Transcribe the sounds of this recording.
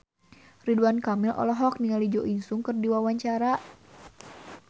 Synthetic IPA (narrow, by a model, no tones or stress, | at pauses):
riduankamilʔɔ̰lɔɦɔk̚niŋalid͡ʒoʔinsuŋkɨrdiwawaɲt͡ʃaɾaʔ